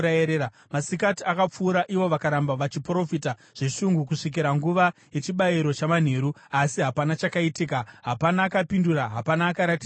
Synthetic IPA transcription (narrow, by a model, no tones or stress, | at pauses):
aeɾea | masikatiakap͡fuːɾaʔiʋo̞ʋakaɾambaʋat͡ʃipro̞fita | ʐ̥e̞ʂuŋɡukuʂik̬iɾaŋɡuʋaje̞t͡ʃiɓaiɾo̞t͡ʃaman̤e̞ɾuasiɦapanat͡ʃakaitikaɦapanaːkapinduɾaɦapanaːkaɾati